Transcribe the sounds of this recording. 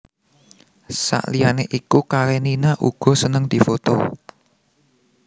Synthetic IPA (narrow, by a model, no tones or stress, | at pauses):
sa̰ʔlijaneʔikukaɾeninaʔuɡ̥ɔ̤sənəŋd̪̥i̤fot̪o̰